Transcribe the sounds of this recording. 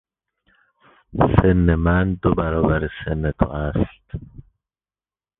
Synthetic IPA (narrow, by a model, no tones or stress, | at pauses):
senːemænd̪obæɾɒːbæɾesenːet̪ʰo̰æst̪